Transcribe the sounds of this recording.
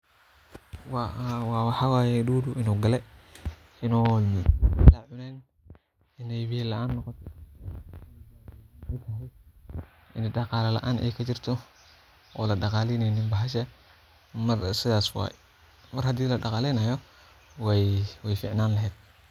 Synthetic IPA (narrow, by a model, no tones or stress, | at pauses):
wɑwɑːwɑħɑwaːjɛɗuːɾʊʔɪnuːɡɐlɛ | ɪnuːninlɐʕʊnɛːn | ʔɪnɛjβilɐʔaːnːɔqɔt̪ʰɛ | ɛt̪ʰɐɦɛj | ʔɪnɖɑqɑːlɐlɐ̰ʔaːnɛ̰jkʰɐt͡ʃɪrt̪ʰɔ | ɔːlɐɖɑqɑːlɛjnɛjnɪmbɐɦɐʃɛ | mɐrsɪðaːswɑ̰ːjɛ | mɐrhɐd̪iːlɐɖɑqɑːlɛjnɐjɔ | wwɛjfiːʕnaːnlɐɦɛːd̪̥̚